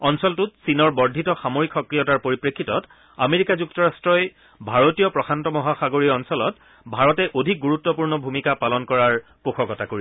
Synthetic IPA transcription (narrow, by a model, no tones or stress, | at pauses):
ɔnsɔltutsinɔɹbɔɹdʱitɔxamoɹikʰːɔkɹijɔtaɹpoɹipɹekʰːitɔt | a̰meɹikazuktɔɹastɹɔj | bʱaɹotijɔpɹɔxʰantɔmɔɦaxaɡoɹiɔnsɔlɔt | bʱaɹɔtɛʔodʱik̚ɡuɹutːɔpuɹnɔbʱumikapalɔnkɔɹaɹpuxʰɔkɔtakoɹiɛ